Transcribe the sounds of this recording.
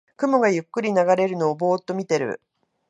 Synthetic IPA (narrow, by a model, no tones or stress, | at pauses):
kɯ̟mo̞ɡajɯ̟kːɯ̟ɾʲinaɡaɾe̞ɾɯ̟no̞ːbo̞ːt̪ːo̞mʲit̪e̞ɾɯ̟̰